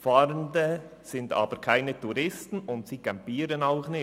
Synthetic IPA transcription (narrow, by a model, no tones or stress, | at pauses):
fɑːɾəndəsɪndɑ̰ːb̥əɾkʰaɪnətuɾɪstn̩ʊntsiːkampiːɾənaʊxnɪ